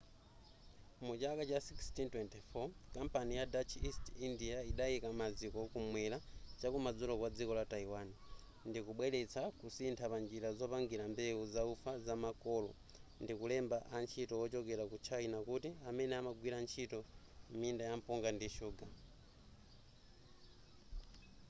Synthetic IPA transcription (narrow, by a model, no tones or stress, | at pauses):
mut͡ʃakat͡ʃasikstintwɛntifɔkampanijadat͡ʃʰistindiaiɗajikamad͡zikɔkumwɛlat͡ʃakumad͡zulɔkwad͡zikɔlataiwani | ndikuɓwɛɾɛt͡sʰakusintʰapand͡ʒiɾazɔpaŋɡiɾambɛuzaufazamakɔlɔ | ndikulɛmbaʔant͡ʃʰitɔwɔt͡ʃɔkɛɾakut͡ʃʰainakutiamɛnɛamaɡwiɾant͡ʃʰitɔ | mindajampɔŋɡandiʃuːɡa